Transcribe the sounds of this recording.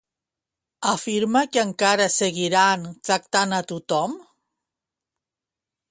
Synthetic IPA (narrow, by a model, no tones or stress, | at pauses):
afiɾmakeaŋkaɾaseɣiɾant̪ak̚t̪anat̪ut̪om